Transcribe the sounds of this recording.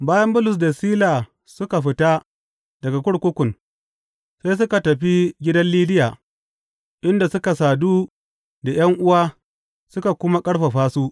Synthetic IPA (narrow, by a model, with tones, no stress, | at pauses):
baː˦jɐ˦mbʊ˦lʊ˨s̬da˨siː˦laː˨ | sʊ˦ka˨ɸɪ˦ta˦ | dɐ˨ɡa˨kʷʊ˦ɽkʷʊ˦kʷʊ˨n | se˦s̬ʊ˦ka˨tɐ˨ɸi˦ɡʲɪ˦dɐ˦nliː˦dɪ˦jaː˨ | ʔɪ˦nda˨sʊ˦ka˨saː˨duː˦ | da˨j̰ɐ˦ŋʔʊ˦waː˦ | sʊ˦ka˨kʷʊ˦ma˦kʼɐ˦ɽɸa˨ɸaː˦suː˦